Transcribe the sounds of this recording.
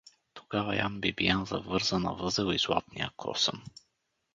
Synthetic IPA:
t̪o̥ɡ̥ava̰jambibijanzɐvɤɾzənɐ̰vɤzɛlˠizlˠa̰t̪nḭakʰɔ̰sə̰m

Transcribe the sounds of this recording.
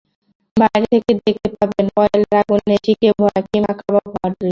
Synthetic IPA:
bajɾt̪ʰeked̪ektepabenɔelɾaɡunːeʈʰikebʱɔakimakʰababʱɔɾd̪i

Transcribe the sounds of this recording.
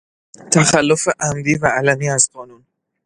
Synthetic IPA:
t̪ʰæxælːofeʔæmd̪iːvæːlæmiːæzɢɒːnun

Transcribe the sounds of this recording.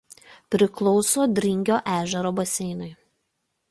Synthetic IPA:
pʲɾʲɪklˠɔʊsoːd̪ʲɾʲɪŋʲɡʲoːʔæːʒʲɛɾoːbɐsʲɛɪnʊɪ

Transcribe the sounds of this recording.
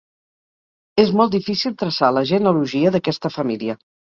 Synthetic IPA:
ezmɔlˠt̪ifisilˠt̪ɾəsaləʒənuluʒiəðəkɛst̪əfəmiliə

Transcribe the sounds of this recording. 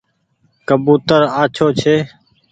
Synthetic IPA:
kəbuːt̪əɾaːt͡ʃʰoːt͡ʃʰeː

